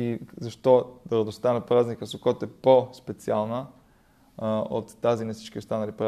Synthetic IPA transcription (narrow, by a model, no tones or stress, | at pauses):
izɐʃt̪ɔd̪ɐɾɐd̪ost̪anəpɾaznikəsokɔt̪ɛpospɛt̪sialˠnə | o̰t̪ːazinɐsi̥t͡ʃk̟iost̪anɐlipɾa